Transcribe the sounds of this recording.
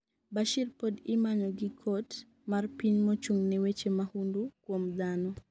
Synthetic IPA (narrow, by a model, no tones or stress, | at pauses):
baʃirpodɪmaɲɔɡikʰot | marpiɲmot͡ʃuŋnɛwet͡ʃemahundukwomd̪anɔ